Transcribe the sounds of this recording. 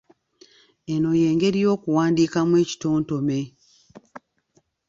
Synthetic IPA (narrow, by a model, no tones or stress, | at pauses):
eno̞je̞ːŋɡe̞ɾijo̞ːkuwaːndiːkamwe̞ːci̥toːnto̞me̞